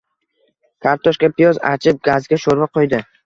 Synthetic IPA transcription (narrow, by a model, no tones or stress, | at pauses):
kʰaɾt̪ʰɒʃkʲapɪjɒza̰t͡ʃʰɪp̚ɡazɡʲaʃoɾvaqʰojd̪ɪ